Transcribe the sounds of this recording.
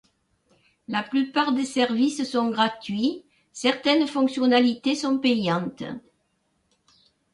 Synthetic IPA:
laplypaʁd̪esɛʁvissɔ̃ŋɡʁat̪ɥi | sɛʁt̪ɛnfɔ̃ŋksjɔnalit̪esɔ̃pɛjɑ̃nt̪ə̰

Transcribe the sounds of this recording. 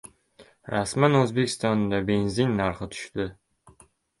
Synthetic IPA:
ɾasmɑnøzbekʲi̥st̪ɑnnd̪ɑbenzinʲːɑɾχət̪ʰy̥ʃt̪ʏ

